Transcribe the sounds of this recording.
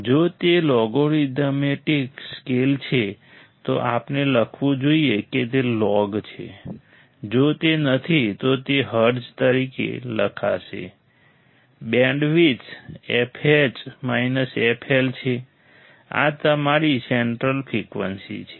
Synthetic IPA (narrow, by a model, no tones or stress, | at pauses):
d͡ʒot̪elɔɡoɾiɖ̪əmeʈikskelt͡ʃʰe | t̪o̰ʔapneləkʰʋũd͡ʒoieket̪elɔɡt͡ʃʰḛ | d͡ʒot̪enət̪ʰit̪ot̪eɦəɾd͡ʒt̪əɾikḛləkʰa̰ʃḛ | bɛ̃ɳɖʋit͡ʃepʰed͡ʒmainəsepʰelt͡ʃʰe | a̰t̪əmaɾiseɳʈɾəlpʰɾikʋə̰nsḭt͡ʃʰe̥